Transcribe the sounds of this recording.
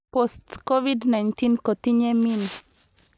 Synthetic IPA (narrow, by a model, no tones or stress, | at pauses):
pɔst̪kɔʋid̪nant̪inkɔt̪iɲɛmin